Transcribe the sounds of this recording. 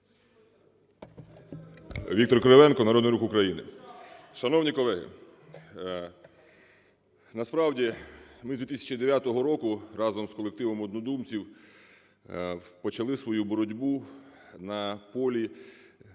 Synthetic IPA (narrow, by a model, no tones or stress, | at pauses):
ʋʲikt̪ɔrkɾeʋɛnkɔnɐɾɔd̪njɾukʊkɾɐjinɪ̰ | ʃɐnɔwnʲikɔlˠɛɦɪ̰ | nɐspɾɑwdʲimɪzd̪ʋʲit̪isʲɐ̥t͡ʃid̪eʋʲjat̪ɔɦɔɾɔkʊrɑzɔmskɔlˠek̚t̪ɪʋɔmɔd̪nɔd̪umt͡sʲiw | pɔt͡ʃɐlˠɪsʋɔjubɔɾɔdʲbunɐpɔlʲi